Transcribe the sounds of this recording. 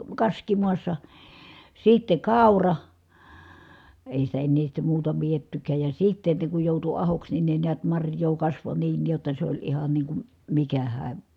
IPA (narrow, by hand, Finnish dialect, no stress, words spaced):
kɑskimuɑsːɑ sitːe kɑˑurɑ eˑi sitæ enːeː sitːe muːtɑ pietːykæːj jɑ sitːe ne kuj joˑutu ɑhoks nin ne niæt mɑrjˑoː kɑsʋo niːn jotːɑ s olʲ ihɑn niːŋ kum mikæhæː